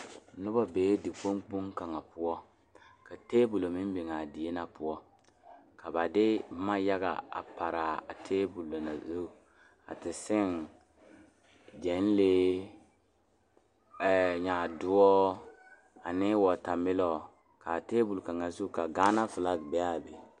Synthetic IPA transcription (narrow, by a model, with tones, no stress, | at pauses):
nʊ˦ba˦beː˨˦dɪ˨k͡po˦ŋk͡pu˦ŋka˨ŋa˨pʊ˦ɔ˦ | ka˨teː˦bu˨lo˨mɪ˦m˦bɪ˨ŋa˨dɪ˨je˦na˨pʊ˦ɔ˦ | ka˨ba˨dɪ˦ma˦ja˦ɡa̰˨a̰˨pa˨ɾa˨a̰˨tʰeː˦bu˨lːo˨na̰˨zu˦˨ | a̰˨tɪ˨sɪ˦ŋ | d͡ʒɛ˨˦n˦le˦˨ | ɲa˨dʊ˦ɔ˦ | a˨nɪ˦wɔ˨ta˨mɪ˦lɔ˨ | ka˨teː˦bu˨lka˨ŋa˨zu˦ka˨ɡaː˦na˦fɪ˨la˦kbɛ˨˦a˦˨be˨